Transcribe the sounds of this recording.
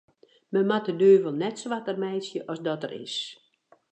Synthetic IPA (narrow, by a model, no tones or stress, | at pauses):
mɛmatədøːvəlˠnɛtsʋatərmɛjsjəʔɔsdɔtə̰rɪ̰s